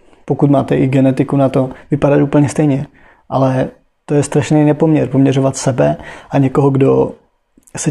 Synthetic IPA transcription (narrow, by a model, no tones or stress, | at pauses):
pokut̪maːt̪ɛʔɪɡɛnɛt̪ɪkunat̪o̞vɪpadat̪uːpl̩ɲɛst̪ɛjɲɛ | ʔalɛ | t̪ojɛst̪ɾaʃnejnɛpo̞mɲɛɾpomɲɛɾovat̪sɛbɛʔaɲɛkoɦoɡdo | sɛ